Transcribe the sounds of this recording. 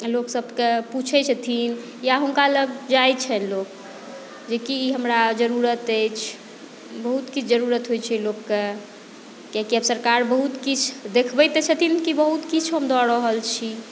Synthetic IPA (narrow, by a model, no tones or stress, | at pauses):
loksəbkeput͡ʃʰɛt͡ʃʰət̪ʰin | jaɦunkaləɡ̚d͡ʒajt͡ʃʰɛnlok | d͡ʒekiɦəmɾad͡ʒəɾuɾət̪ejt͡ʃʰ | bəɦut̪kit͡ʃʰd͡ʒəɾuɾət̪ɦojt͡ʃʰɛlokːe | kakiəbsəɾkaɾbəɦut̪kit͡ʃʰd̪ekʰbɛjt̪et͡ʃʰət̪ʰinkibəɦut̪kit͡ʃʰɦəmd̪ɔɾəɦəlt͡ʃʰi